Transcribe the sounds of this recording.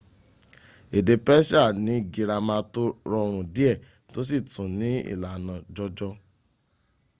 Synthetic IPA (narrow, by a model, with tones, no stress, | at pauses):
e˨de˧pɛ˦ʃa˦˨nĩ˨˦˨ɡi˧ɾa˧mã˧to˦ɾɔ˧ɾ̃ũ˨di˦ɛ˦˨ | to˦s̬i˦˨tũ˨nĩ˨˦ḭ˦˨la˨nã˨d͡ʒɔ˧d͡ʒɔ˧